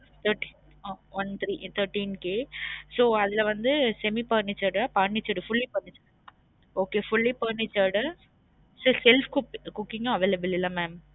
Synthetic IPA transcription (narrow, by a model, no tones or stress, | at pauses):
t̪ʰɐɾʈi | aʋɐnt̪ɾit̪ʰɐɾʈːiːnkeːsoːɐðɪlɐʋɐnd̪ɯsɛmipɐːɳɪt͡ʃːɐɽapɐɳːɪt͡ʃːɐɽɯfʊlːipɐɳɪt͡ʃːɐɽ | oːkefʊlːipɐɳːɪt͡ʃːɐɖɐ | soːsɛlfkʊkʊkːɪŋɡɐ̃ɐʋeːlɐbɪlɪlːɐmɛːm